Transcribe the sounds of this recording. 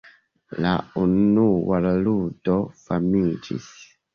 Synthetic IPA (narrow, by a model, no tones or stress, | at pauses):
la̰unuwalludɔfamid͡ʒḭs